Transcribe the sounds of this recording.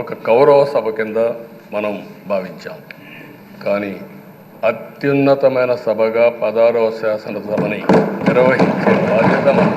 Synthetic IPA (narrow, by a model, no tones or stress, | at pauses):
ɔkɐkɐwɾɐʋɐsɐbʱɐkind̪ɐ | mɐnɐmbʱaːʋiɲt͡ʃa̰ːm | kaːni | ɐt̪junːɐt̪ɐmɐjnɐsɐbʱɐɡaːpɐd̪aːɾɔːsaːsɐnɐt̪ɐbɐniniɾɐʋɐɦiɲt͡ʃeːbʱaːd̪ʱjɐt̪ɐmɐ